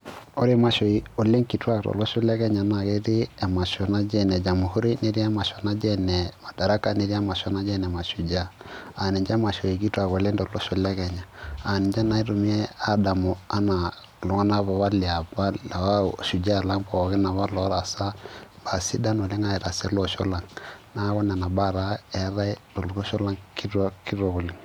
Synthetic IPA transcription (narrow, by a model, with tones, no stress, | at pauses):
o˦ɾi˦ma˨˦ʃo˨i˨o˨le˦ŋki˨twa˦k̚tɔ̰˨lɔ˦ʃu˦lɛ˦ɡɛ˦ɲa˨˦na˨ɡe˦ɾi˦ɛ˨ma˨ʃɔ˨na˦d͡ʒɛ˦nɛ˨d͡ʒa˨mu˨hu˦ɾi˦ne˦ɾa˦ma˨ʃɔ˨na˦d͡ʒɛ˦nɛ˨ma˨da˨ɾa˦ka˦˨ne˨˦ɾi˦a˦ma˨ʃɔ˦na˦d͡ʒɛ˦nɛ˨ma˨ʃu˨d͡ʒa˦a˨ni˨ɲd͡ʒa˦ma˨ʃo˨i˨ki˦twa˨ko˨le˦ndɔ˨lɔ˦ʃo˨lɛ˦ɡɛ˨ɲa˨a˨ni˨ɲd͡ʒa˦na˨i˦ɾu˨mi˦ɛ˦a˦da˨mɔ˨a˦na˨ | lɔ˨ŋa˦na˦βa˨wa˦li˨a˨ba˦˨a˦ʃu˨d͡ʒa˦˨la˦ŋpa˨a˨ɡɛ˦na˨βa˦lɔ˨˦ɾa˨sa˦b̥a˨si˦da˦nɔ˨li˦ŋa˦ɛ˨ɾa˨sɛ˦lɔ˨ʃɔ˦la˨ŋna˦ɣɔ˦n˨a˨na˨ba˦˨ɾa˨˦ɛ˦ɾa˦to˨lu˨ɡɔ˦ʃɔ˦la˦ŋki˦ɾu˦a˦ki˦ɾɔ˨ɡo˨li˨ŋ